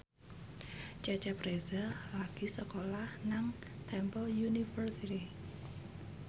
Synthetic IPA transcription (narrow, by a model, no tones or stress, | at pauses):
t͡ʃɛt͡ʃɛpɾezəlaɡ̥i̤səkolahnaŋt̪ʰɛmpəljunifərsit̪i